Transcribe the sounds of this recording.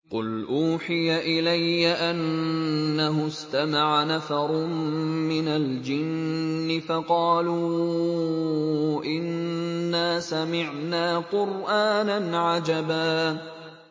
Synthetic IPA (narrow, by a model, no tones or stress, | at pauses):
qʊlʔuːħɪjaʔɪlajːaʔanː | aɦʊst̪amaʕanafɑɾˤʊmɪnald͡ʒɪnːɪfɑqɑːluː | ʔɪnːaːsamɪʕnaːqʊɾʔaːnanʕad͡ʒabaː